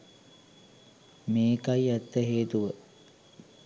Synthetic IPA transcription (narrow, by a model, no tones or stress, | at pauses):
meːkajæt̪ːəɦeːt̪uʋə